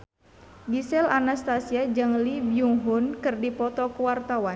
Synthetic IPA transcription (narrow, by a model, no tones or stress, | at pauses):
ɡisɛlanast̪asiad͡ʒɨŋlibiuŋɦunkɨrdipɔt̪ɔkuwart̪awan